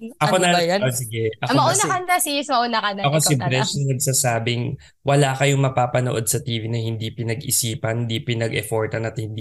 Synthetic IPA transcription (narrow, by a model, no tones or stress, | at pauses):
ʔɐkonɐjosɪɡɛʔɐkomɐʔunɐkɐnt̪ɐsismɐʔunɐkɐnɐɐkosɪbɾɛʃnnɐɡsaːsaːbɪŋ | wɐlaːkɐjʊŋmɐpaːpɐnoʔo̞d̪̚sɐt̪iːvinɐhɪnd̪ipɪnɐɡɪsiːpɐnnd̪ipɪnɐɡʔɛ̰foɹt̪ɐnɐt̪̚hɪnd̪i